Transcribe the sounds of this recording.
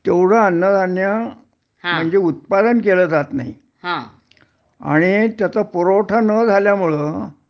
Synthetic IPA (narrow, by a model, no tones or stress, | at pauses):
t̪ewɽ̤əːnːəd͡zʱanja | ɦm̤əɳd͡zeut̪̚pad̪ənkelət̪at̪na̰ɦi | hã | a̰ɽ̃it̪jat͡sapɔɾoʈʰanəd͡zʱaljamuɭə